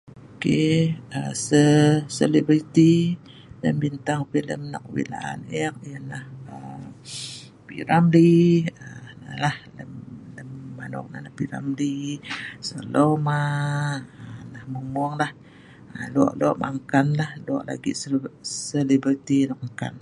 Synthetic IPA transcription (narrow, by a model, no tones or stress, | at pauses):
keəsəselibɾit̪i | ləmbint̪aŋpiləmnak̚wḭla̰ʔa̰nɛk̚jənlahə | pḭɾamliənalahləmləmːanɔ̰k̚nanahpiɾa̰mli | sə̰loma | əlahməmɔŋlah | əlɔ̰ʔlɔʔma̰ŋkanlahlɔ̰ʔla̰ɡḭssəlibɾit̪inakŋka̰n